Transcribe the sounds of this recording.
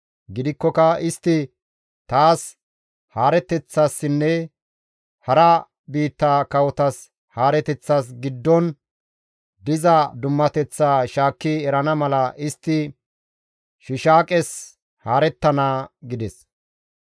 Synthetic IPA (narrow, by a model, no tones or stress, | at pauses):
ɡɪd̪ɪkːɔkɐɪst̪ːɪ | t̪aːs | haːɾɛt̪ːɛt͡sːasːɪnːɛ | hɐɾɐ | biːt̪ːaːkɐwɔt̪ɐs | haːɾɛt̪ɛt͡sːaːs̬ɡɪd̪ːɔn | d̪ɪzɐd̪ʊmːɐt̪ɛt͡sːaːʃaːkːɪɛɾɐnɐmɐlɐʔɪst̪ːɪ | ʃɪʃaːkʼɛs | haːɾɛt̪ːɐnaːɡɪd̪ɛs